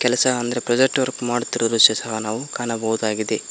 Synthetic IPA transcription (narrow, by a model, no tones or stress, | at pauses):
kɛlɐsɐɐnd̪ɐɾe̞pɾɐd͡ʒek̚ʈʋɐɾkmaːɽt̪iɾɐd̪ɐɾusɛsɐɦɐnaːʋukaːnɐbɐwud̪aːɡid̪e